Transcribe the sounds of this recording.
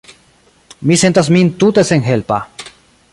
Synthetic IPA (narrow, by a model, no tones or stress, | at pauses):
misent̪asmĩnt̪ut̪eseŋxelpa